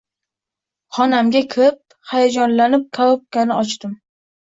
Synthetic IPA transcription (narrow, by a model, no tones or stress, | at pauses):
χɒnamɡʲakʲʰɪɾɪp̚ | hajad͡ʒɒnlanɪp̚kʰalˠop̚kʲʰanɪɒt͡ʃt̪ɪm